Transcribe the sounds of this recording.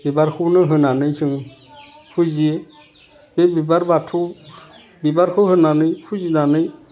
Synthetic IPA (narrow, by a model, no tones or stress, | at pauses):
b̥ibaɾhunəɦənanəit͡ʃiŋ | fud͡ʒije | b̥ebibaɾbatʰu | bibaɾhohənanəifud͡ʒinanəi